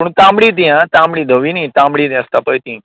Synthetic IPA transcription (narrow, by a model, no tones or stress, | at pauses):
əɳ̃t̪ãmbɽit̪̬ijãt̪ãmbɽid̪ʱəʋinĩt̪ãmbɽid̪ãst̪apəjt̪ĩ